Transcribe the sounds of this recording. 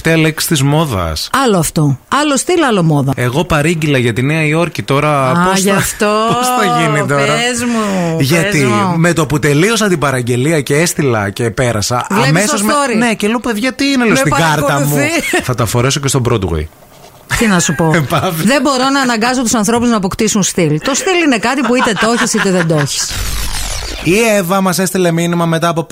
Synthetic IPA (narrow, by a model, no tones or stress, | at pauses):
ft̪eɐleksi̥t̪izmo̞ðɐ̰sɐloɐft̪o̞ɐlost̪ilɐlomo̞ðɐe̞ɣo̞pɐɾiɲɟilɐʝɐt̪ineɐio̞ɾcit̪o̞ɾɐposʝɐft̪oposθɐʝinit̪oɾɐzmuʝɐt̪ime̞t̪oput̪e̞lio̞sɐnd̪ibɐɾɐɲɟe̞liɐceest̪ilɐ̰ce̞pe̞ɾɐsɐ̰ʔvlːɐmesoɐzɾne̞celopeðʝɐt̪iinelost̪iɡɐɾt̪ɐmuθɐt̪ɐfo̞ɾe̞socest̪o̞bɾot̪ɣḭ | t̪inɐsupopɐvðe̞mbo̞ɾo̞nɐːnɐŋɡɐs̬ot̪usɐnθɾo̞puznɐːpo̞kt̪isunst̪ilt̪o̞st̪iline̞kɐt̪ipuit̪e̞t̪o̞çisit̪eðed̪o̞çi̥s | ievɐmɐse̞st̪ileminimɐme̞t̪ɐːpop